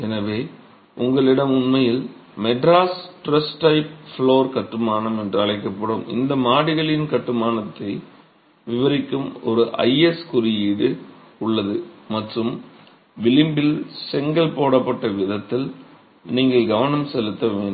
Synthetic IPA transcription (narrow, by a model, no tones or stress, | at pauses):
ɛnɐʋeː | ʔʊŋɡɐɭɪɽɐmʊnmɐjɪlmɛɖɾaːsʈɾɐsʈɐɪpfɭoːɾkɐʈːɯmaːnɐmɛndrɯɐɭɐɪkːɐpːɐɽɯmɪ̰nd̪ɐmaːɽɪɣɐɭɪnkɐʈːɯmaːnɐt̪ːɐɪ | ʋɪʋɐɾɪkːɯmɔɾɯʔɐ̰ɪɛskʊɾɪjiːɽɯ | ʊɭːɐðɯmɐʈrɯm | ʋɪlɪmbɪlsɛŋɡɐlpoːɽɐpːɐʈːɐʋɪðɐt̪ːɪl | niːŋɡɐɭɡɐʋɐnɐmsɛlɯt̪ːɐʋeːn